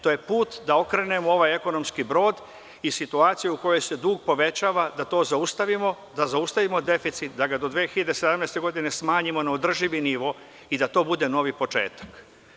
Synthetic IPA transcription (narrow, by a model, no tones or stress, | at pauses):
t̪oje̞puːt̪d̪ao̞kɾene̞moo̞ʋaje̞ko̞no̞mskibɾo̞ːd̪ | isit̪uaːt̪sijeuko̞jo̞jse̞d̪uːɡpo̞ʋe̞t͡ɕaːʋad̪at̪o̞ːzaust̪aʋimo | d̪azaust̪aʋimod̪e̞fit̪sit̪̚d̪aɡad̪o̞d̪ʋeːxiʎad̪esed̪amnejst̪e̞ɡo̞d̪ine̞smaːɲimo̞naod̪r̩ʒiʋiniʋo̞ | id̪at̪o̞ːbud̪e̞no̞ʋipo̞t͡ʃe̞̰ːt̪ḁk